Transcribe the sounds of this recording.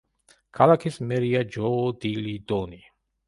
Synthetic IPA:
kʰalakʰismɛɾiad͡ʒɔd̪ilid̪ɔni

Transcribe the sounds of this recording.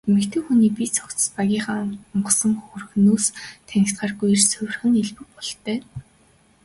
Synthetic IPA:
mɘ̆kt̪ʰɘ̆ːxuniːpit͡sʰɔkt͡sə̥̆spaɣʲiːχaːŋʊɴɢɞ̆sə̆ŋxɵrxnuːst̪ʰænʲɪ̆xt̪ɢaːrɡujĭrsɵwʲr̆xɘ̆neɮpɘ̆k̚pɔɮt̪œː

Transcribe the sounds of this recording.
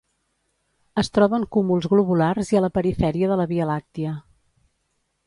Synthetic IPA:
əst̪ɾɔβəŋkumulˠzɣluβularziələpəɾifɛɾiəðələβiəlak̚t̪iə

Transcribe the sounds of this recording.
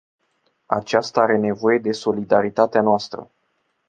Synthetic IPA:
a̰t͡ʃast̪aaɾe̞ne̞vo̞je̞d̪e̞so̞lid̪aɾit̪at̪eanoast̪ɾə̰

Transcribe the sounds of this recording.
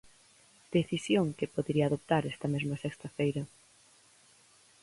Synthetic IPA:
d̪̥eθisjoŋkepoðeɾiaðop̚t̪aɾɛst̪ɐmɛzmɐsɛkst̪ɐfejɾɐ

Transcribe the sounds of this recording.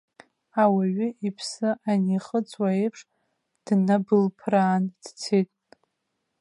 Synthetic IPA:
awaɥʏʔipʰsɨʔaniχət͡sʼwaejpʰʂ | d̥nabɨlpʰraːnd̥t͡sʰejtʼ

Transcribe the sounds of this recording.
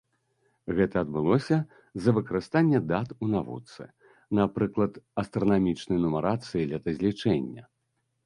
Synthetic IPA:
ɣɛt̪ɐːd̪̚bɨlˠɔsʲɐ | zɐvɨkɐɾɨst̪anʲːɛd̪at̪unavṵt̪sɨ̰ | napɾɨklˠɐt̪ɐst̪ɾɐnamʲit͡ʂnɨjnumɐɾat̪sɨjilʲɛt̪ɐzʲlʲit͡ʂɛnʲːɐ̰

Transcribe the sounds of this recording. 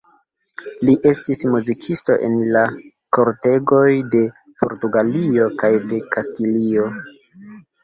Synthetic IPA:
liʔe̞stismuzikʰisto̞̰ʔe̞̰nla | koɾte̞ɡo̞jde̞ | po̞̰ɾtuɡalio̞kajde̞kastilio̞

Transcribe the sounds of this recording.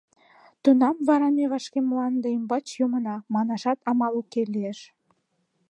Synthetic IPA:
t̪unɑmvɑɾɑmeβɑʃkemlɑnd̪eimbɑt͡ɕjomə̆nɑmɑnɑʃɑt̪ɑmɑlukːelieʃ

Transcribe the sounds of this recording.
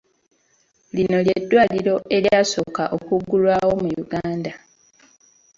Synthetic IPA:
lino̞ljedːwaːliɾo̞ʔe̞ljaːso̞ːkaʔo̞kuɡːulwaːwo̞mujuɡaːnda

